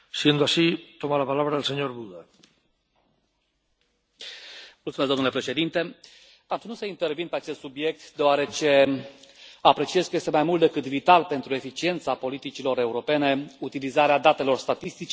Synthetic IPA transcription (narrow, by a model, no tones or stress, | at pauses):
siend̪oaʃit̪omalapalaβɾaːlseɲoɾbuða | mult̪sumezd̪omnulepɾe̞ʃe̞d̪int̪e̞ | aunuseint̪e̞rvinpeat͡ʃe̞st̪subje̞k̚t̪d̪eoaɾe̞t͡ʃe̞ | apɾe̞t͡ʃie̞zkəje̞st̪e̞majmult̪d̪e̞kɨt̪vit̪alpe̞nt̪ɾue̞fit͡ʃie̞nt̪sapo̞lit̪it͡ʃilo̞ɾe̞uɾo̞pe̞ne̞ut̪ilizaɾead̪at̪e̞lo̞rst̪at̪ist̪it͡ʃe